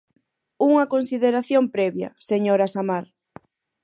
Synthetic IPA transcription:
uŋɐkonsiðeɾaθjompɾɛβjɐ̰seɲoɾasamaɾ

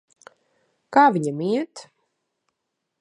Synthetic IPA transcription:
kaːviɲamiɛt̪

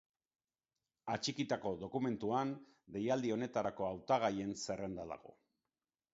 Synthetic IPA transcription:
at͡ʃikit̪ako̞ðo̞kume̞nt̪uan | d̪e̞jald̪io̞ne̞t̪aɾako̞awt̪aɣaje̞nse̞re̞nd̪aða̰ɣo̞̰

